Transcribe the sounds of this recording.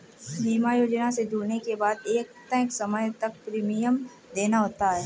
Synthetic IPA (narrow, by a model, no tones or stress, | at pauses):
ɦiːmajoːd͡ʒnased͡ʒuːɽnekebaːd̪eːkt̪ɛ̃ːksɐməjt̪ɐk̚pɾiːmijəm | d̪eːnaɦoːt̪aɦɛː